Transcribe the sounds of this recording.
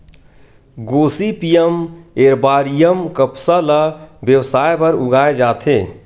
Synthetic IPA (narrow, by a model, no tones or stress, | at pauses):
ɡoːsipijəmeːɾbaːɾijəmkəpsalabjəwsaːjbəɾʊɡaːed͡ʒaːt̪ʰeː